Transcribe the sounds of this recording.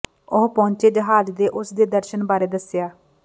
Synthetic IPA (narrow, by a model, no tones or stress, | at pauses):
ʊɦpɔ̃ːɲt͡ʃeːd͡ʒəɦaːzd̪eːʔʊsd̪eːd̪əɾʃənbaːɾeːd̪əsɪjaː